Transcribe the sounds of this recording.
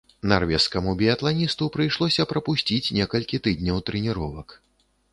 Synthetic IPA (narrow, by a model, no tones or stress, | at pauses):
narvʲɛskɐmubʲiɐt̪lˠanʲist̪upɾɨjʂlˠɔsʲɐpɾɐpusʲt͡sʲit͡sʲnʲɛkɐlʲkʲit̪ɨd̪ʲnʲɐwt̪ɾɨnʲiɾɔvɐk